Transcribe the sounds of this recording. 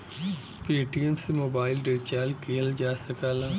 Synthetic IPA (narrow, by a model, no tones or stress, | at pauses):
peːʈiɛmsemoːbaːɪlɖeːt͡ʃaːlkʰeːld͡ʒaːsɐkaːlaː